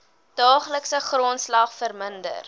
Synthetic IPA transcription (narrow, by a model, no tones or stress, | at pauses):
d̥ɑːχləksəχrontslɐχfərməndə̰r